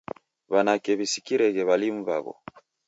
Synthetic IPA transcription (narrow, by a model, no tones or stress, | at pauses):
βanakɛβisi̥kiɾɛɣɛβalim̩βa̰βɔ̰